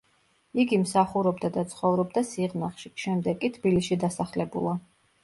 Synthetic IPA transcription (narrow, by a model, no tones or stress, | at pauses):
iɡimsaχuɾɔbd̪ad̪at̪sʰχɔvɾɔbd̪asiʁnaχʃiʃɛmd̪ɛkʼit̪ʰb̥ilisʃid̪asaχlɛbṵlˠa